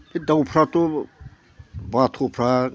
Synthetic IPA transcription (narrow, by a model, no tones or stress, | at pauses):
ed̪awpʰɾat̪o | bat̪ʰopʰɾa